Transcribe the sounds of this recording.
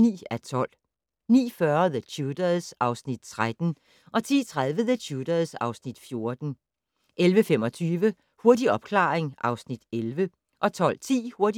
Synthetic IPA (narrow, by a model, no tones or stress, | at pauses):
nḭːæt͡sʰɒ̽l̰ | nḭːfɶɐðət͡ɕʰuːd̥ɐð̩ˠsʔɑ̈ʊsnid̥̚t͡sʰʁad̥n̩ | ʔɒ̽t͡sʰḭːt͡sʰʁaðˠʋəðəɕʰud̥ɐð̩ˠsɑ̈ʊsnid̥fjo̝ɐd̥n̩ | ʔelʋəfem̰ɒ̽t͡sʰyːʋə | hoɐdiɒ̽b̥kʰlɑ̰̈ːeŋʔɑ̈ʊsnid̥elʋə | ʔɒ̽t͡sʰɒ̽l̰t͡sʰḭːho̝ɐdi